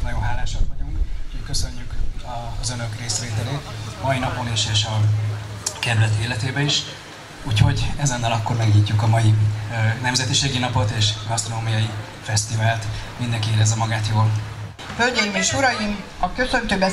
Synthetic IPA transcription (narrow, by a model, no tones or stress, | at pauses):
nɒjoːɦaːlːaːʃot̪vɒɟuŋkhockø̞sø̞ɲːykɒzø̞nø̞kreːsʋeːt̪ɛleːt̪mɒjinɒpo̞niʃeːʃɒ | kɛɾylɛt̪eːlɛt̪eːbɛiʃ | uːcho̞ɟɛzɛnːɛlɒkːo̞rmɛɡɲicːukɒmɒjinɛmzɛt̪iʃeːɡinɒpot̪eːʃɡɒst̪ronoːmijɒji | fɛst̪ivaːlt̪mind̪ɛŋkieːlɛzːɛmɒɡaːt̪joːl | følɟɛjimeːʃuɾɒjim | ɒkø̞sø̞nt̪øːbɛ